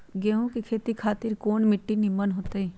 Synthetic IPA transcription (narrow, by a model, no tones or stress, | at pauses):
ɡeːɦũkikʰeːt̪ikʰaːt̪ɪɾkoːnmɪʈːinimənɦoːt̪ai